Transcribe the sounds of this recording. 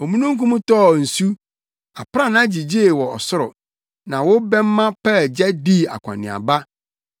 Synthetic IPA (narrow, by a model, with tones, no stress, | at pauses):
ɔ˨mũ˦nũ˦ŋ̩˦kũ˦mũ˦tɔː˦˨n̩˨su˦ | a˨pã˦˨nã˦d͡ʑi˨d͡ʑi˦e˨wɔ˨ɔ˨sʊ˦ɾʊ̰˨ | nã˨wʊ˦bɛ̃˦mː˦ã˦pɛ˦˨d͡ʑɛ˦di˦˨a̰˨kʷʰã̰˨nɪ̰̃˨a̰˨ba˦